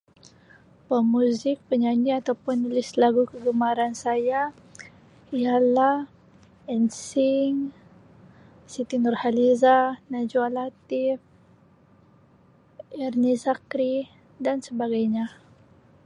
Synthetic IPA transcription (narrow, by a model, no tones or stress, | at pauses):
pəmuzɪk̚pəɲaɲiat̪awpʊnːulɪslaɡukəɡəmaɾansaja | ijalah | ɛnsɪŋ | sit̪inɔrhalizanad͡ʒualat̪if | ɛrnisakɾi | dansəbaɡajɲa